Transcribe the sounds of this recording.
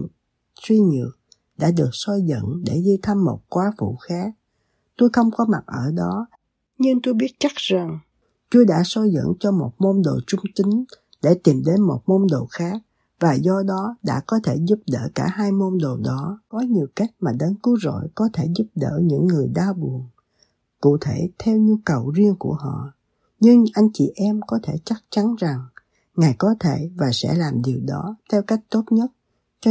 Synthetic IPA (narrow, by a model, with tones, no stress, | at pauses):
swi˧ɲɨ̰˧˨əŋ | ɗa̰ː˧˥ɗɨ˨˩ək̚sɔ˧jzə̰˧˨ŋɗe˧˩ɣi˧t̪ʰa˧mːo˨˩t̚kwaː˨˦fṵ˧˨xaː˦˥k̚ | t̪o˧jxə˧wŋ͡mkɔ˨˦ma˨˩t̚ʔəː˧˩ɗɔ˨˦ | ɲɨ˧ŋt̪o˧jɓi˦˥ət̚t͡ɕa˦˥k̚za˨˩ŋ | t͡ɕu˧jɗa̰ː˧˥sɔ˧jzə̰˧˨ŋt͡ɕɔ˧mo˨˩t̚mo˧nɗo˨˩t͡ɕʊ˧ŋ͡mt͡ɕï˨˦ŋ̟ | ɗe˧˩t̪i˨˩mɗe˨˦nmo˨˩t̚mo˧nɗo˨˩xaː˦˥k̚ | vaː˨˩zɔ˧ɗɔ˨˦ɗa̰ː˧˥kɔ˨˦t̪ʰe˧˩zu˦˥p̚ɗə̰ː˧˩kaː˧˩haː˧jmo˧nɗo˨˩ɗɔ˨˦kɔ˨˦ɲi˨˩əwka˦˥jk̚maː˨˩ɗə˨˦nkɨ˨˦zo̰˧˨jkɔ˨˦t̪ʰe˧˩zu˦˥p̚ɗə̰ː˧˨ɲɨ̰˧˥ŋːɨ˨˩əjɗaː˧wɓu˨˩ən | kṵ˧˨t̪ʰe˧˩t̪ʰɛ˧wɲu˧kə˨˩wzi˧əŋku˧˩əɦɔ̰˧˨ | ɲɨ˧ŋʔa˧jŋ̟t͡ɕḭ˧˨ʔɛ˧mkɔ˨˦t̪ʰe˧˩t͡ɕa˦˥k̚t͡ɕa˨˦nza˨˩ŋ | ŋaː˨˩jkɔ˨˦t̪ʰe˧˩vaː˨˩sɛ̰˧˥laː˨˩mɗi˨˩əwɗɔ˨˦t̪ʰɛ˧wka˦˥jk̚t̪o˦˥t̚ɲə˦˥t̚ | t͡ɕɔ˧